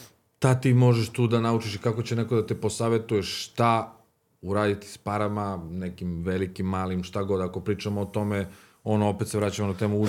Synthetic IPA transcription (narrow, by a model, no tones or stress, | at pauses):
t̪at̪imo̞ʒeʃt̪uːd̪anaut͡ʃiʃikako̞t͡ɕeneko̞d̪at̪ipo̞saːʋe̞t̪ujeʃːt̪a | uɾaːd̪it̪i̥spaɾamane̞kimʋelikimːaːlimʃt̪aɡo̞d̪ako̞pɾiːt͡ʃamoːt̪o̞me | o̞noo̞pet̪se̞ʋɾat͡ɕamonat̪eːmuu